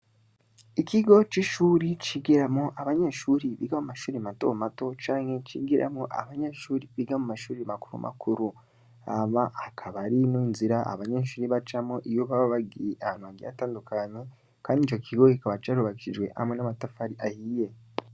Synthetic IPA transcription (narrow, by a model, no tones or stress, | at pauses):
ikiɡo̞t͡ʃiʃuːɾit͡ʃiɡiɾamoʔaβaɲeʃuːɾiβiɡamumaʃuːɾimato̞mato̞t͡ʃaːŋhe̞t͡ʃḭɡiɾʔa̰moʔa̰βaɲeʃuːɾiβiɡamumaʃuːɾimakuɾṵmʔa̰kʰuɾu | aβaakʰaβaɾiniːnziɾaa̰βaɲeʃuːɾiβat͡ʃamoʔijoβaβaβaɡijiʔaanuaɡia̰taːndukʰaɲe̞ | kaːndit͡ʃo̞kʰiɡo̞ikaβat͡ʃaɾuβakiʃid͡ʒwe̞̰ha̰mŋe̞namatafaɾiʔahiːje̞